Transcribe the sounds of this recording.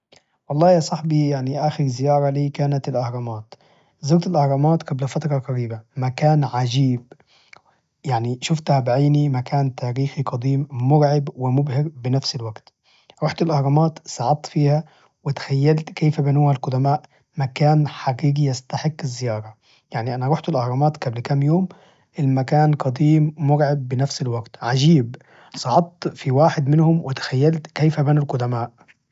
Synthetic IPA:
wɑlˤːɑːjɑsˤɑħbijaʕniʔaːxɪɾzɪjɑːɾˤɑliːkaːnat̪ɪlʔahɾˤɑmaːt̪ | zɑɾt̪ɪlʔahɾˤɑmaːt̪ɡablfat̪ɾˤɑɡɑɾiːbamakaːnʕad͡ʒiːb | jaʕniʃʊft̪habʕiːnimakaːnt̪ʰaːɾiːxiqɑd̪ˤiːmːʊɾʕɪbwɪmʊbhɪɾbɪnafsɪlwaɡt̪ | ɾɑħt̪ɪlʔahɾˤɑmaːt̪sɑʕɑd̪̚t̪ːfiːha | wɪt̪xajːalt̪keːfabanuːhalqʊd̪amaːʔ | makaːnħaɡiːɡijast̪aħɪkːɪzːɪjɑːɾˤɑ | jaʕniʔanaɾuħt̪ɪlʔɑhɾˤɑmɑːt̪ɡablkamːjoːm | ʔɪlmakaːnqɑd̪iːmːʊɾʕɪbːɪnafsɪlwaɡt̪ʕad͡ʒiːb | sˤɑʕɑt̪̚ˤːfiwaːħɪd̪mɪnhʊmwʔɪt̪xajːalt̪keːfabanulqʊd̪amaːʔ

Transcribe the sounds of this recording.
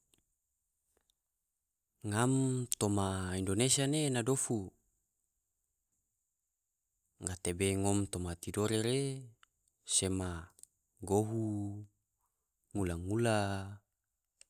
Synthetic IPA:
ŋamt̪omaindonesianenadofu | ŋat̪ebeŋomt̪omat̪idoɾeɾe | sema | ɡoɦu | ŋulaŋula

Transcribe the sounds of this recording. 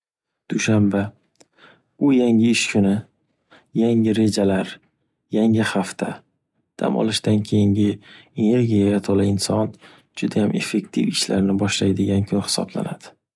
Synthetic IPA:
d̪̥uʃamba | ʊjaŋɪɪʃkʰʊnɪ | jaŋɪɾe̞d͡ʒalaɾ | jaŋɪhaft̪ʰa̰ | d̪̥ʰa̰mʔɒ̰lɪʃd̪ankʲʰe̞jɪŋɡʲɪene̞ɾɡʲijajat̪ʰɒlaɪnsɒn | d͡ʒʊd̪ajamʔe̞̰fːe̞kt̪ʰɪfɪʃlaɾnɪbɒʃlajd̪ɪɡʲankʲʰʊnhɪ̥sɒ̰bla̰nad̪̥ɪ̥

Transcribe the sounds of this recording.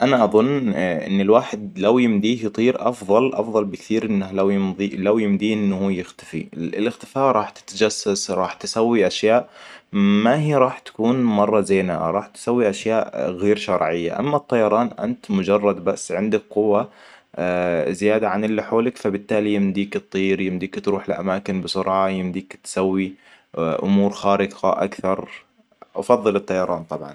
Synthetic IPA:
ʔanaʔɑðˤʊnːʔɪ̰nːɪlwaːħɪd̪lawjɪmd̪iːhjɨt̪ˤiːɾʔɑ̰fðˤɑlʔɑ̰fðˤɑlbɪkθiːɾʔɪnːahlawjɪmðilawjɪmd̪iːʔɪnːhujɪxt̪ḁfḭɪlɪxt̪ɪ̥faːʔɾˤɑːħt̪ɪ̥t̪ad͡ʒasːasɾˤɑːħt̪ɪsawːiʔaʃjaːʔ | maɦiːɾˤɑːħt̪ḁkuːnmɑrˤːɑzeːna̰ʔɾˤɑːħt̪ɪ̥sawːiʔaʃjaːʔɣeːɾʃɑɾˤʕɪjːa̰ʔa̰mːat̪ˤːɑjɑɾˤɑːnʔa̰nt̪mʊd͡ʒɑrˤːɑd̪basːʕɪnd̪ak̚qʊwːa | zɪjaːd̪aʕanʔɪlːiħoːlɪkfabɪt̪ːaːlijɪmd̪iːkt̪ˤːiːɾjɪmd̪iːkt̪ɾuːħɪlʔa̰maːkɪnbɪsʊɾʕɑjɪmd̪iːkt̪sawːi | ʔʊ̰muːɾxaːɾɪqa̰ʔa̰kθɑɾˤ | ʔɑfɑðˤːɨlɨt̪ˤːɑjɑɾˤɑːnt̪ˤɑbʕɑ̰n

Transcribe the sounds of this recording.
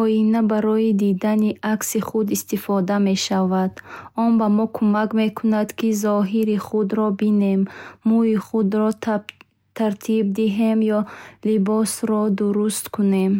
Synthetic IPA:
ɔjinabaɾɔid̪id̪aniʔaksiχud̪ist̪ifɔd̪ame̞ʃavad̪ɔnbamɔkʰumakme̞kʰunad̪kizɔɦiɾiχud̪ɾɔbine̞mːuiχud̪ɾɔt | t̪ʰaɾt̪ʰib̚d̪iɦe̞mjɔlibɔsɾɔd̪uɾust̪kʰune̞m

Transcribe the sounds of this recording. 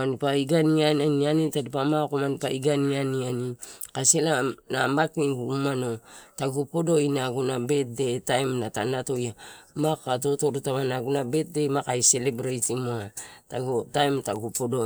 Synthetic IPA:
anipaiɡaniananianitadipamakomanipaiɡanianianikaselanamakniɡuumanotaɡupodo̞inaɡunabe̞t̚de̞tajmnata̰nato̞jamakato̞toɾutamanaɡunabe̞t̚de̞makaise̞lebɾajtimoataɡotajmtaɡupodo

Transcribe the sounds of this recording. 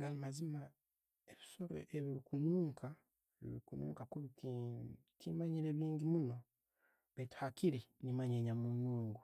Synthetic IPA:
ŋɡalimazima | eβisoɾo̰ʔeβiɾikuɲuːŋkʰa | eβḭβiɾikuɲṵːŋkakuβiti | tʰimaɲiɾeβiːɲɟimuno̞ | βeti̥hakiɾinimaɲeɲamunuːŋɡu

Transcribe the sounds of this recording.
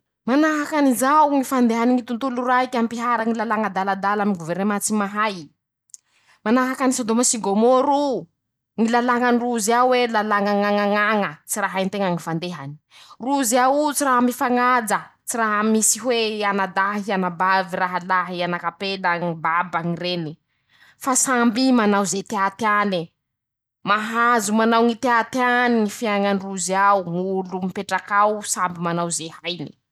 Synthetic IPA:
manaɦakanizawŋifand̪eɦaniŋit̪unt̪uluraɦikʲampiɦaɾaŋilalaŋəd̪alad̪alamiɡuvernemat͡simaɦaj | manaɦakanisod̪omasiɡomoɾu | ŋilalaŋaniruziawelalaŋaŋaŋaŋaŋət͡siraɦajnt̪eŋaŋifand̪eɦani̥ | ruziawut͡siraɦamifaŋad͡zət͡siraɦəmisiɦweanad̪aɦianababiraɦalaɦianakapelaŋibabaŋireni | fasambimanawzet̪eat̪ani | maɦazumanawŋit̪eat̪ianiŋifiaŋaniruziawŋulumipeʈ͡ʂakawsambimanawzehajni̥

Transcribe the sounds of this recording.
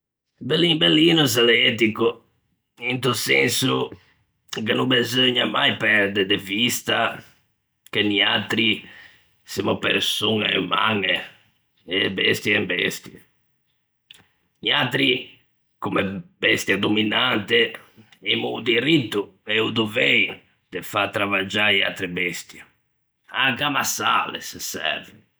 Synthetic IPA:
belimbelːinuzalɛt̪̬iko | int̪usɛnsu | kenubezøɲamajpɛɾd̪ed̪evist̪a | keniat̪ɾi | simopḛɾsuna̰ṵma̰ŋe | ebɛst̪jɛmbɛ̰st̪je | niat̪ɾi | kumɛbɛst̪jad̪ominant̪eɛmud̪iɾit̪ːuɛud̪uvej | d̪̥efat̪ɾavad͡ʒaa̰t̪ɾibɛst̪ja | akamasa̰lḛssɛ̰ɾve

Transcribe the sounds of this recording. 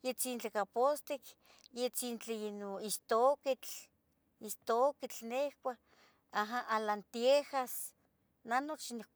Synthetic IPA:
jet͡sint͡ɬekapost̪ik | jet͡sint͡ɬeinoist̪okit͡ɬ | ist̪okit͡ɬnehkʷa | aɦaʔalant̪iehas | nanot͡ʃnek

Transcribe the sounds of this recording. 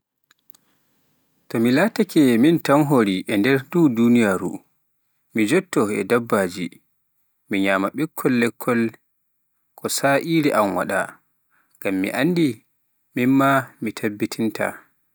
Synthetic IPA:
tɔmilaːtakɛmintanɦoɾiʔɛndɛɾduːdunijaːɾṵ | mid͡ʒɔtːɔɛ̰dabːaːd͡ʒi | miɲaːmaɓɛkʰːɔlːɛkʰːɔl | kʰɔsaʔiɾiʔamwa̰ɗa̰ | ŋɡamːḭʔandi | minmamitʰabːitʰintʰa̰

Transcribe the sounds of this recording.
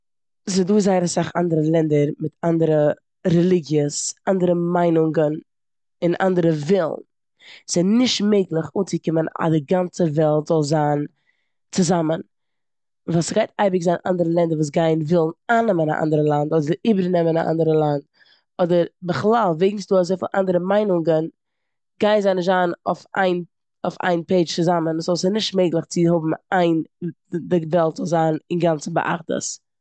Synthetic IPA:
zɪduːzaɪəɾəsaχa̰ndəɾəlˠɛndəɾmɪtandəɾə | ɾɛlˠɪɡjəsandəɾəmaɪnʊŋɡən | ɪnʔa̰ndəɾəvɪlˠn | z̥ɛnɪʃtmeɪɡlˠɪχuːt͡sɪkɪməna̰dɪɡant͡səvɛlˠtz̥ɔlˠzaːn | t͡sɪzamən | vaːsɡaɪtaɪbɪkzaːnʔa̰ndəɾəlˠɛndəɾvuːs̬ɡaɪnvɪlˠn̩aːnːɛməna̰ʔa̰ndəɾəlˠandɔdədɪʔiːbəɾnɛməna̰ʔa̰ndəɾəlˠand | ɔdəɾbəχlˠalˠveɪɡŋ̩sduːazoɪfɪnʔa̰ndəɾəmaɪnʊŋɡən | ɡ̥aɪnzaɪnɪʃ̬taːno̰fa̰ɪn | ʊfa̰ɪnpeɪt͡ʃt͡sɪzamənszɔlˠsɪnɪʃtmeɪɡlˠɪχt͡sɪhʊbm̩aɪn | dɪvɛlˠtz̥ɔlˠzaːnɪnɡant͡sn̩bə̰ʔa̰χdə̰s

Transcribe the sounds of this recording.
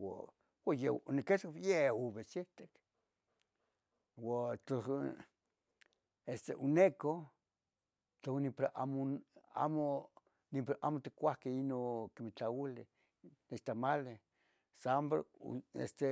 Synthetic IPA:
wa̰ | wajeneket͡sjeuβesit̪ek | wat͡ɬo | est̪ḛʔuneko | t͡ɬonipɾaʔa̰moa̰mo | nipʔa̰mot̪i̥kʷahkeinokimit͡ɬailɪ | net͡ʃt̪amale | sambɾ̰ḛst̪e

